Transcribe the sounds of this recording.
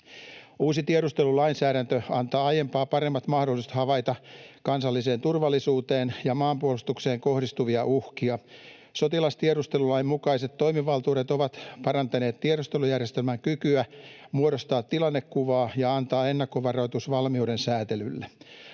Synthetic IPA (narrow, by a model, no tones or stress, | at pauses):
uːsit̪ieɾust̪e̞lulɑinsæːɾænt̪øɑnt̪ɑːɑjempɑːpɑɾe̞mːɑt̪mɑhdolːˑist̪hɑʋɑjt̪ɑkɑnsɑlːise̞ːnt̪urʋɑlːisuːt̪e̞ːnjɑmɑːmpuolust̪ukse̞ːŋkohdist̪uʋiɑʔuhkiɑ | sot̪ilɑst̪ieɾust̪elulɑimmukɑise̞t̪to̞imiʋɑlt̪uːɾet̪oʋɑt̪pɑɾɑnt̪ɑne̞ːt̪t̪ieɾust̪elujærjest̪elmæŋkykyæmuoɾost̪ɑːt̪tːilɑnːekkuʋɑːjɑɑnt̪ɑːenːɑkːoʋɑrojt̪usʋɑlmiude̞nsæːt̪elylːe